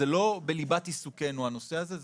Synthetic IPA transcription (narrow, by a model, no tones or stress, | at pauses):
elo̞be̞libatisuke̞nuano̞seazez